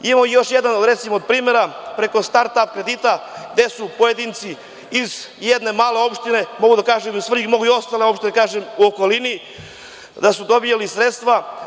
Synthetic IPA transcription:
imamoijo̞ʃjed̪anoɾe̞t̪simood̪̚pɾiːme̞ɾapɾe̞ko̞st̪aɾt̪apkɾe̞d̪it̪aɡd̪e̞supojed̪iːnt̪siː | zjed̪ne̞maːle̞o̞pʃt̪ine̞mo̞ɡud̪akaːʒemiusvr̩ɡmo̞ɡuio̞st̪aleopʃt̪inakaːʒemuoko̞lini | d̪asud̪o̞bijalisɾet̪st̪ʋa

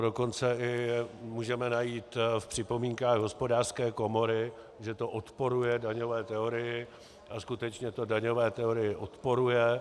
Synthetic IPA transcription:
doko̞nt͡sɛʔɪmuːʒɛmɛnajiːt̪fpr̥ɪpo̞miːŋkaːɣɦo̞spo̞daːr̥skɛːko̞mo̞ɾɪ | ʒɛt̪o̞ʔot̪po̞ɾujɛdaɲo̞vɛːt̪ɛoɾɪjɪ | ʔaskut̪ɛt͡ʃɲɛt̪o̞daɲo̞vɛːt̪ɛo̞ɾɪjɪʔot̪po̞ɾujɛ

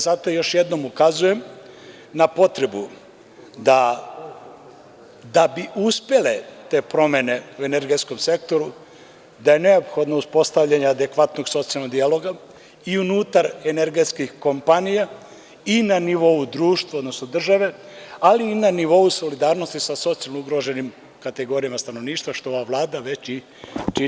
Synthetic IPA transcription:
zat̪o̞jo̞ʃjed̪no̞mukazuje̞m | napo̞t̪ɾe̞bu | d̪a | d̪abiʔuspe̞le̞t̪e̞ːpɾo̞me̞ne̞ue̞neɾɡe̞t̪sko̞mse̞k̚t̪o̞ɾu | d̪aje̞ne̞opxo̞d̪nouspo̞st̪aʋʎaɲead̪e̞kʋat̪no̞ɡso̞t̪sialˠnoɡ̪d̪ijalˠo̞ɡa | iunuːt̪aɾeneɾɡe̞t̪skixko̞mpanija | inaniʋo̞ud̪ɾuːʃt̪vʋaod̪no̞snod̪r̩ʒaʋe̞aliːnaniʋo̞uso̞lid̪aːɾno̞st̪isaso̞t̪sijalnouɡɾo̞ʒenim | kat̪e̞ɡo̞ːɾijamast̪ano̞ʋniːʃt̪ʋaʃt̪o̞oʋaʋlˠaːd̪aʋe̞t͡ɕi | t͡ʃi

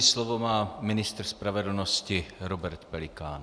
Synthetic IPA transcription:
slovomaːmɪnɪst̪ɾ̩spɾavɛdl̩noscɪɾobɛɾt̪pɛlɪkaːn

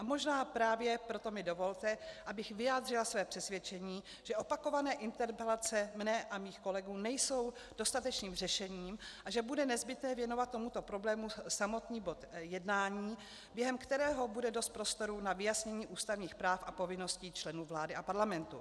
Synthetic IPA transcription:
ʔamo̞ʒnaːpɾaːvjɛpɾo̞t̪o̞mɪdo̞vo̞lt̪ɛʔabɪxvɪjaːd̪r̝ɪlasvɛːpr̥ɛsvʲjɛt͡ʃɛɲiː | ʒ̥ɛʔo̞pako̞vanɛːʔɪnt̪ɛɾpɛlat͡sɛmnɛʔamiːxko̞lɛɡuːnɛjso̞w | d̥o̞st̪at̪ɛt͡ʃniːmrɛʃɛɲiːmʔaʒɛbudɛnɛzbɪt̪nɛːvjɛno̞vat̪̚ːo̞mut̪o̞pɾo̞blɛːmusamo̞t̪ɲiːbo̞t̪jɛdnaːɲiː | bjɛɦɛmkt̪ɛɾɛːɦo̞budɛdo̞st̪̚pɾo̞st̪o̞ɾunavɪjasɲɛɲiːʔuːst̪avɲiːxpɾaːfʔapo̞vɪno̞sciːt͡ʃlɛnuːvlaːdɪʔapaɾlamɛnt̪u

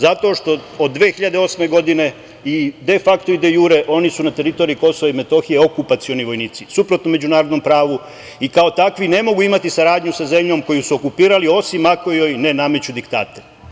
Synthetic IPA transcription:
zat̪o̞ʃt̪o̞od̪ːʋeːxiʎad̪eo̞sme̞ɡo̞d̪ine̞ | id̪e̞fakt̪o̞id̪ejuːɾe̞ʔo̞nisunat̪e̞ɾit̪o̞ːɾiiko̞soʋaime̞t̪o̞xije̞o̞kupat̪sio̞niʋo̞jniːt̪sisupɾo̞t̪nome̞d͡ʑunaːɾod̪no̞mpɾaːʋu | ikao̞t̪akʋine̞mo̞ɡuimat̪isaɾaːd̪ɲusaze̞mʎo̞mko̞jusuo̞kupiːɾalio̞simako̞jojne̞name̞t͡ɕud̪ikt̪a̰ːt̪e

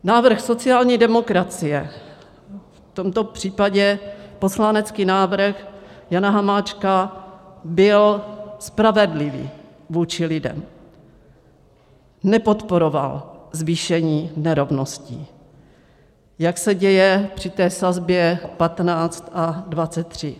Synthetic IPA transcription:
naːvr̩xso̞t͡sɪjaːlɲiːdɛmo̞kɾat͡sɪjɛ | ft̪o̞mt̪o̞pr̥iːpaɟɛpo̞slanɛt͡skiːnaːvɾ̩xjanaɦamaːt͡ʃka | bɪlspɾavɛdlɪvḭː | vuːt͡ʃɪlɪdɛ̰m | nɛpo̞t̪po̞ɾo̞va̰lzviːʃɛɲiːnɛɾo̞vno̞sci | jaksɛɟɛjɛpr̝̥ɪt̪ɛːsazbjɛpat̪naːt͡st̪ʔadvat͡sɛt̪ːr̝̥ɪ

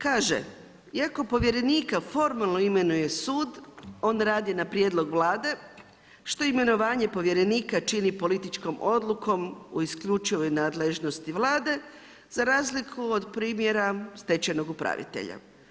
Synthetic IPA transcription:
kaːʒḛ | iako̞po̞ʋje̞ɾe̞niːkafo̞ɾmalˠno̞ime̞nuje̞suːd̪o̞ːnɾaːd̪jinapɾje̞d̪lˠo̞ɡʋlˠaːd̪e̞ | ʃt̪o̞ime̞no̞ʋaːɲe̞po̞ʋje̞ɾe̞niːkat͡ʃinipo̞lit̪it͡ʃko̞mʔo̞d̪lˠuko̞mṵiskʎut͡ʃiʋo̞jnaːd̪leʒno̞st̪iʋlˠaːd̪e̞ | z̥aɾaːzlikʰuod̪pɾiːmje̞ɾast̪e̞t͡ɕeno̞ɡupɾa̰ʋḭt̪e̞̰ʎa̰

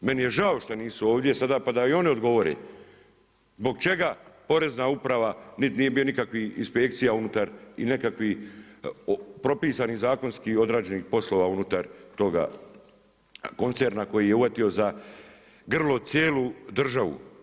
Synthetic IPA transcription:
me̞nije̞ʒao̞ʃt̪aniːsuoːʋd̪je̞sad̪apad̪aio̞nio̞d̪ɡo̞ʋo̞ɾḛ | zbo̞ɡ̚t͡ʃe̞ɡapo̞ɾe̞znaupɾaʋanit̪nije̞bionikakʋihinspe̞k̚t̪sijaunut̪aɾḭnekakʋi | opɾo̞piːsanizaːko̞nskio̞d̪ɾaːd͡ʒe̞niːxpo̞slˠo̞ːʋaunut̪aɾt̪o̞ɡa̰ | ko̞nt̪seɾnako̞jijeuʋat̪io̞za | ɡr̩lo̞t̪sjeːlud̪r̩ʒaʋṵ

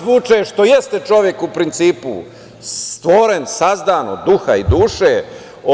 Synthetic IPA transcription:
ʋut͡ʂeʃt̪o̞jest̪et͡ʃo̞ʋje̞kupɾint̪siːpṵ | st̪ʋoɾensazd̪aːno̰d̪d̪uxaid̪uːʃe

